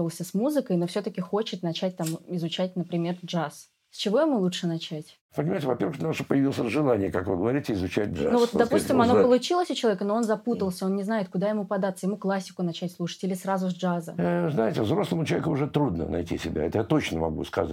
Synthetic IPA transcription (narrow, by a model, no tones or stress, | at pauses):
əlˠsʲəsmuzɨkəjno̞fsʲot̪əkʲɪxo̞t͡ɕɪt̪nɐt͡ɕæt̚ʲt̪amɪzʊt͡ɕæt̚ʲnəpɾʲɪmʲe̞rʐas | sʲt͡ɕɪvo̞ɪmulˠutʂɨnɐt͡ɕætʲ | pənʲɪmajtʲɪvɐpʲervəxnaʂpəjɪvʲilˠsʲəʐɨlˠanʲɪjəkakvɨɡəvɐɾʲitʲɪɪzʊt͡ɕæt̚ʲʐanovot̪d̪ɐpusʲttʲɪmmɐnopəlˠʊt͡ɕilˠəsʲʊt͡ɕɪlˠɐvʲekənoo̞nzɐput̪əlˠsʲəo̞nnʲɪznajɪt̪̚kʊd̪ajɪmupɐd̪at̪sːəjɪmuklˠasʲːɪ̥kʊnɐt͡ɕætʲslˠuʂə̥tʲilʲɪsɾazʊzʲd͡ʐazə̰znajɪtʲɪvzɾo̞slˠəmʊt͡ɕɪlˠvʲekʊʊʐɛt̪ɾud̪nə̰nɐ̰jtʲḭsʲɪbʲa̰ɛt̪əjat̪o̞t͡ɕnəmɐ̰ɡṵskɐ̰za̰